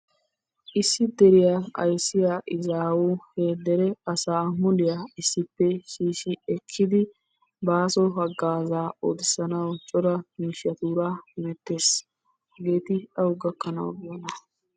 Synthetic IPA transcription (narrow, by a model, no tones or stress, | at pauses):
ʔɪsːɪd̪ɛɾɪjaːɐ̰jsːɪjaʔɪzaːwuheːd̪ɛɾɛɐsaːmɔlɪjaːɪsːɪpːɛʃiːʃɪɛkʰːɪd̪ɪ | baːsɔɦɐɡːaːzaːo̰ːd̪ɪsːɐnɐwt͡ʃʼɔɾɐmiːʃjɐt̪uːɾaːhɪmɛt̪ːe̞ːs | hɐɡe̞ːt̪ɪɐwʊɡɐkːɐnɐ̰wɡɪjɐnɐ